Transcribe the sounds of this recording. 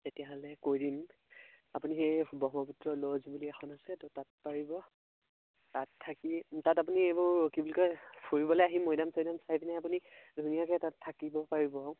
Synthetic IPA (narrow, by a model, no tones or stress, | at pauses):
tetijaɦɔlɛkojdin | apuniɦejbɔɦmɔputɹɔlɔzbuliɛxʰɔnasɛtɔtat̚paɹibɔ | tatʰːakitatap̬uniebɔɹːokibulkɔpʰuɹibɔlɔjaɦimojdamsɔjdamsajpnɛapunidʱunijakɛtatʰːakibɔpaɹibɔ